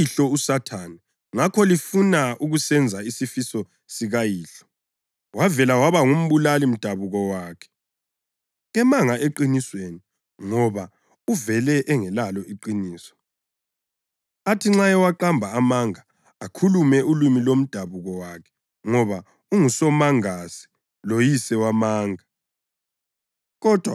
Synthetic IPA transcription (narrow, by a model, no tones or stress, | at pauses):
iɬɔusatʰana | ŋakʰɔlifunauɣusɛnd͡zʱaisifisɔ | siɣajiːɬɔ̥ | wavɛlawaβaŋum̩βulalim̩d̥ʱaβuɣɔwaːkʰɛ̥ | ɣɛmaŋaʔeǃinisweni | ŋɔβa | uvɛlɛʔːŋɛlalɔiǃiniːsɔ̥ | atʰiŋ͡ǁajɛwaǃambʱaːmaŋaː | kʰulumɛʔulumilom̩d̥ʱaβuɣɔwakʰɛ̥ | ŋɔβa | uŋusɔmaŋasi̥ | lojisɛwamaːŋa | ɣɔd̥ʱwa̰